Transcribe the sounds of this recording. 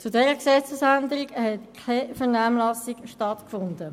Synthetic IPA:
t͡sudɛɾəksɛt͡susændəɾiɡhɛtʰafəʁnaːmlɑsiɡʃtɑtkfʊndə

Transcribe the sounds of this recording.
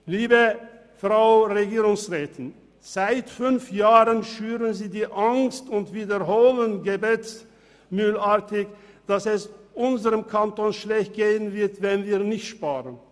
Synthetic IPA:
liːbə | fʁ̥aʊʁeɡiːʁʊŋsʁɛːtʰɪn | z̥aɪtfʏnfjaːʁənʃyːʁənziːdiːʔaŋstʊntv̥iːdɐɦoːlənɡəbet͡s | myːlaɐtɪçd̥asɛsʔʊnzəʁəmkʰantoːnʃlɛçt̚ɡ̥eːənvɪɐtvɛnviːɐnɪçtʃpaːʁən

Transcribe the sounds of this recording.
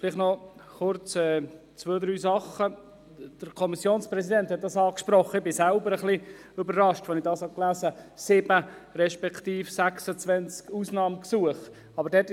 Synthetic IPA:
fɪlɪχtnɔχʊrt͡sɛ | t͡svøːdɾyːsɑχə | d̥əɾkʰɔmisjoːnspɾɛsidɛnthɛt̪̚d̥ɑsɑːkʃpɾɔχəɪbɪsælbəɾəχli | ʏbəɾrɑʃtʋonɪdɑːshɑklæːsəsɪb̥ə | ɾɛʃpɛktiːfsæksət͡svɛnt͡skuːsnɑːmksuəχ | ɑbəɾdɛt

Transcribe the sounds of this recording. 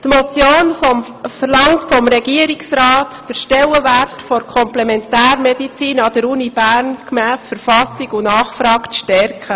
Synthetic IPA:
t̪mɔt͡sjoːnfɔm | fəɾlɑŋtfɔmɾɛɡiəɾiksɾɑːtːd̥əɾʃtɛlːəværtfɔɾkʰɔmplɛmɛntæːɾmɛdit͡siːnɑd̥̪əɾunibæːɾnkmæːsfəɾfɑsiɡʊnɑːχfɾɑːkʃtɛɾkʰə

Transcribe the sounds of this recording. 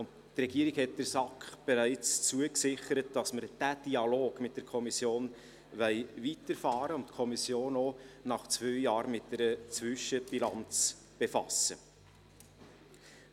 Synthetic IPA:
ʊnt | trɛɡ̥iəɾɪɡhɛt̚d̥əɾsɑkχb̥ɛɾæɪt͡st͡suəksɪχəɾət̚d̥ɑsməɾd̥æd̥iɑloːɡmɪt̚d̥ɛɾkʰɔmisjoːn | vɛɪvitəɾfɑːɾəʊntkʰɔmisjoːnonɑχt͡svœɥjɑːɾmɪt̚dɛɾət͡svʏʃəb̥ilɑnt͡s | b̥efɑ̰sə

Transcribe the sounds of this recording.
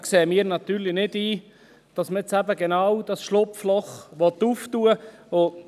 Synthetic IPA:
kseːmiːɾnɑt̪yːɾlɪnɪdiː | d̥ɑsmət͡sæbəɡenɑːwd̥ɑsʃlʊpflɔχʋɔt̪uːftuːəo

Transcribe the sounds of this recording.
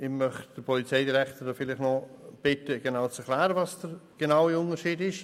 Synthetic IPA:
ɪmœχtd̥əpʰɔlit͡seɪdiɾɛktədofɪlɪχnɔb̥ɪtəɡ̥enawt͡sɛkʰlɛːɾəvɑsd̥ərɡ̥enawiʊnəɾʃiːdɪʃ

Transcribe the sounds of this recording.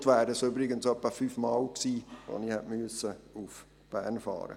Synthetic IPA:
tʋæːdəsøbɾɪɡənsœpːəfyːfmɑːlksiːvo̰nihɛtmyəsəuf | b̥æ̰ːɾnfɑ̰ːɾə̰

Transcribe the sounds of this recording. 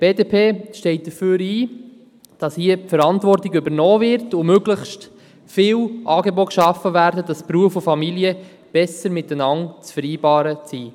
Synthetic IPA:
b̥eːdeːpʰeːʃtɛɪt̚d̥əfyːɾiː | d̥ɑshiəfəɾɑntʋɔrtɪɡʏbəɾnɔːvɪɾtʊmøɡləχʃt | fɪːwʔɑːɡeboːkʃɑfːəvæːɾdəd̥ɑspɾuəfʊfɑmiliə | b̥ɛsəɾmɪtːənɑŋt͡sfəɾiːbɑːɾət͡siː

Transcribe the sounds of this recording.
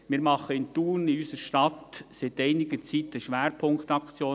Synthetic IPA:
mɪːɾmɑχəɪnt̪uːnɪysəɾʃtɑt̪sɪt̪ɛɪnɪɡət͡sit̪əʃʋæːɾpʰʊŋkt̪ɑkt͡sjoː

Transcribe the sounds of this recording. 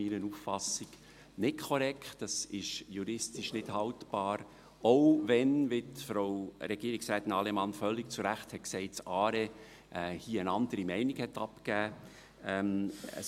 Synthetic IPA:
iɾənuːffɑsɪɡ̥ | nɪtkʰɔɾɛkχtd̥ɑsɪʃjuɾɪstɪʃnɪd̥hɑltb̥ɑːɾ | oʊʋɛnʋɪtfɾoʊɾɛɡ̥iːɾiksɾɛːt̪ɪnɑlemɑnfœlːɪkt͡suɾæχthɛt̚ksɛɪt̚t͡sɑːɾe | ʔɛhiːənɑnd̪əɾimɛɪniɡhɛtɑpkæː | ɛmə̰

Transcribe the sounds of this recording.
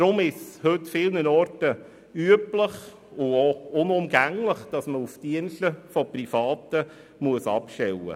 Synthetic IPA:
d̥ɾʊmɪhɵtːfɪlnənɔɾtə | yəpləχ | ʊoʊnʊmɡæŋləχd̥ɑsməufd̥iənʃtəfɔprifɑːtə | muəsɑ̰pʃtɛwə̰

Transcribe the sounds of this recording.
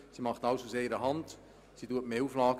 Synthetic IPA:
simɑχtɑwsuseɪɾəɦɑnd | situətmeːuːflɑːɡ

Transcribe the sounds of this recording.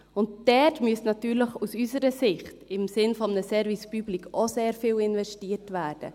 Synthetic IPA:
ʊnt̚d̥ɛtmyəsnɑtyːɾləχusysəɾəsɪχtɪmsɪnfɔmnəsɛɾvispyblikʰoseːɾfɪːlɪnvɛʃtiːətvæːd̥ə̰

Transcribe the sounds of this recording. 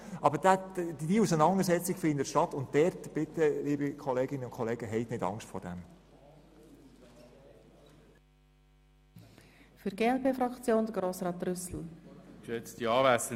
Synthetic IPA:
ʔɑbəɾdædiusənɑndəɾsɛt͡sɪɡ̥fɪnd̪ətʃtɑtʊnt̚dɛrtb̥ɪtəliːbəkʰɔleːɡɪnənʊnkʰɔleːɡəɦɛɪtnɪdɑ̰ŋʃtfɔ̰ɾd̥ɛ̰m | fyɾɡ̥eːɛlpeːfɾɑkt͡sjoːnd̪əɡɾoːsɾɑːt̪rʏsl̩kʃøt͡stiɑːvæsə

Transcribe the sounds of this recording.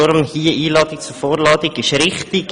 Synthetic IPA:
ɔɾmhiːəʔiːlɑːt̪ɪk̚t͡sufoːɾlɑːdɪɡɪʃɾɪχt̪ɪk

